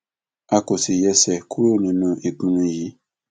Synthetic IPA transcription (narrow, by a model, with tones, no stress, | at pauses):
a˦ko˨si˨jɛ˦sɛ˨kʰu˦ɾo˦nũ˨nũ˦ʔe˨k͡pũ˦nũ˦ji˨˦